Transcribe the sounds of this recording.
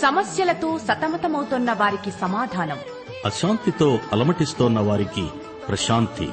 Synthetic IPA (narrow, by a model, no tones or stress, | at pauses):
sɐmɐsjɐlɐt̪o̞ːsɐt̪ɐmɐt̪ɐmɐwt̪onːɐʋaːɾikisɐmaːd̪ʱaːnɐm | ɐʃaːnt̪it̪o̞ːɐlɐmɐʈist̪oːnːɐʋaːɾikḭ | pɾɐʃaːnt̪ḭ